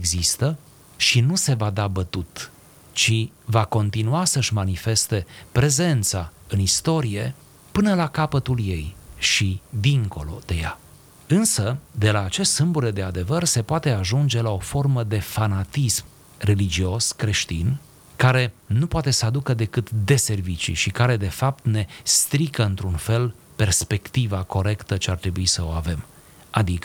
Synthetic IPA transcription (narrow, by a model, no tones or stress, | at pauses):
eɡzist̪ə | ʃinuse̞vad̪abət̪ut̪ | t͡ʃivako̞nt̪inuasəʃʲmanife̞st̪e̞pɾe̞ze̞nt̪saɨnist̪o̞ɾije̞ | pɨnəlakapət̪ulje̞jʃid̪iŋko̞̰lo̞̰d̪e̞ja̰ | ɨnsəd̪e̞laːt͡ʃe̞st̪sɨmbuɾed̪e̞ad̪e̞vərse̞poat̪e̞aʒund͡ʒe̞lao̞fo̞rməd̪e̞fanat̪ism | re̞lid͡ʒio̞skɾe̞ʃt̪ḭn | kaɾe̞nupoat̪e̞səad̪ukəd̪e̞kɨt̪d̪e̞se̞rvit͡ʃḭʃikaɾe̞d̪e̞fap̚t̪ne̞st̪ɾikəɨnt̪ɾunfe̞l | pe̞rspe̞kt̪ivako̞ɾe̞kt̪ət͡ʃeart̪ɾe̞buisəo̞̰ave̞m | ad̪ikə